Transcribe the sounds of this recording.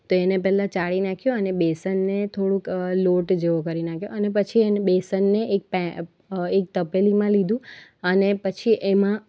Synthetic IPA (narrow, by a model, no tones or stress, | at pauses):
t̪oenepɛɦlãt͡ʃaɭinakʰjoənebesənːet̪ʰoɽũkloʈd͡ʒeʋokəɾinakʰjoənep̬ət͡ʃʰiebesənːeʔek̚pɛ | ek̚t̪əpelimãlid̪ũənepət͡ʃʰiʔemã